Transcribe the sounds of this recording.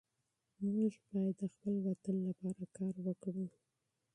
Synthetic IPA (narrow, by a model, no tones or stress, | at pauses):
muʒbɑjad̪ːəxpəlwat̪ənlapɑɾakɑɾwəkɽu